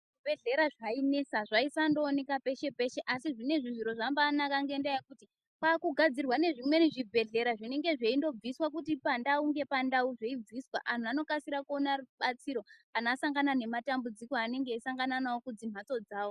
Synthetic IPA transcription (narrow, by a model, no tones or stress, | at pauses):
ubʱe̞ɮe̞ɾaʐaine̞saʐaisando̞ːne̞kape̞ʃe̞pe̞ʃe̞ʔasiʐine̞ʐiʐiɾo̞ʐambaːnakaŋɡe̞ndajekuti | paːkuɡʱad͡zirwane̞ʐimwe̞niʐibʱe̞ɮe̞ɾaʐine̞ŋɡe̞ʐe̞indo̞b͡viswak̬utipandauŋɡe̞pandauʐe̞ib͡viswaʔan̤uano̞kasiɾakuo̞naruɓat͡siɾo̞anasaŋɡanane̞matambud͡zikoane̞ŋɡe̞isaŋɡananawokud͡zim̤at͡so̞d͡zaːwo